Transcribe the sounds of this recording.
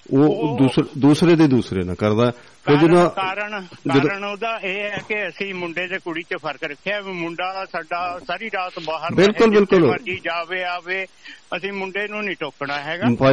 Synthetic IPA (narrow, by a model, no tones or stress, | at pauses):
oːd̪uːsɾd̪uːsɾeːd̪eːd̪uːsɾḛːnã̰ːkəɾd̪aːɛ | pʰɪɾd͡ʒɪd̪ãːaːɾəɳd͡ʒɪd̪ɾəɳoːd̪aːeːɦɛːkeəsĩːmʊɳɖeːd̪eːkʊɽiːt͡ʃəpʰəɾkɾəkʰːeaːmʊɳɖaːd̪aːsaːɖaːsaːɾiːɾaːt̪baːɦəɾbɪlkʊlbɪlkʊləiːd͡ʒaːʋeːaːʋeː | əsĩːmʊɳɖeːnũːniːʈoːknaːɦɛːɡapa